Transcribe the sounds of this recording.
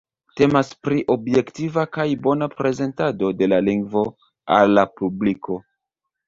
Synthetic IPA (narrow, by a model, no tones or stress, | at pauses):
te̞maspɾiʔo̞bje̞ktivakajbo̞napɾe̞ze̞ntado̞de̞laliŋɡvo̞ | a̰lːapubliko̞